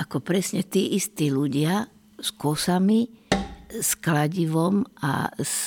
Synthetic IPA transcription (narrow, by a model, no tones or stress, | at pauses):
akɔpɾɛsɲɛt̪iːʔist̪iːluɟɪa | skɔsami | sklaɟiʋɔma̰s